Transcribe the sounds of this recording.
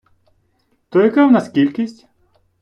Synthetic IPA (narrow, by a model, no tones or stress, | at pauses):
t̪ɔjɐkawnɐskʲilʲkʲisʲtʲ